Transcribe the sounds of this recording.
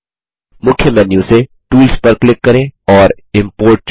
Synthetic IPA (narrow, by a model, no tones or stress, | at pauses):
mʊkʰjəmɛːnjũse | ʈuːlspɐɾklɪkːɐɾẽːɔːɾ | ɪ̃mpoːɾʈ̚t͡ʃ